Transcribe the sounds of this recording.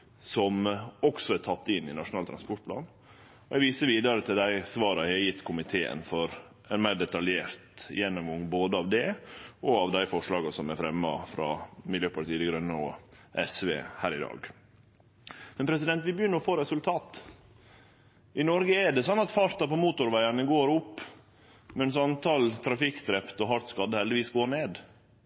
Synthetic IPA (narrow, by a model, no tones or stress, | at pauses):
sɔmɔksɔæt̪ʰɑt̪ːɪnːɪnɑʂʊnɑːlt̪ʰɾɑnspɔʈ̚pʰlɑ̰ːn | ɔɛɡʋiːsəɾʋiːd̪ɑɾət̪ʰɪld̪æɪsʋɑːɾɑɛɑjɪt̪ːkʰʊmɪt̪ʰeːə̰nfɔɾ | ɛnmæɪɖɛt̪ɑljeːɾt̪jɛnːɔmɡɔŋːboːd̪əɑʋd̪ɛɔɑʋd̪æɪfɔʂɭɑːɡɑsɔmæɾfɾɛmːɑfɾɑ̰mɪljøːpʰɑɾt̪iːd̪ɪɡɾœnːəɔ̰ʔɛsʋḛːhæːɾɪd̪ɑ̰ːɡ | mɛnpʰɾɛs̬ɪd̪ɛnt̪ʋɪbəjʏnːəɾɔfoːɾɛsʉlt̪ʰɑːt̪ | ʔɪnɔɾɡəæɖɛsɑnːɑt̪fɑɾt̪ɑpɔmuːt̪ʊɾʋæɪɑnəɡoːɾʊpː | mɛns̬ɑnt̪ʰɑːlt̪ʰɾɑfɪkd̪ɾɛpt̪ɔɦɑt̪skɑd̪əhɛld̪ɪʋiːsɡoːneːd̪